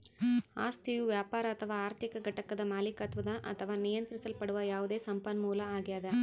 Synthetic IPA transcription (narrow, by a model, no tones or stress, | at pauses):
a̰ːst̪iʋɯʋjaːpaːɾɐɐt̪ʰːɐʋaːaːɾt̪ɪkːɐɡɐʈːɐkːɐðɐmaːlɪkːaːt̪ʋɐðãːʔɐ̰t̪ːɐʋaːnɪjɐnd̪ɾɪsɐlpɐɽɯʋɐjaːʋɐðeːsɐmpɐnmuːlɐaːɣɪjaːðɐ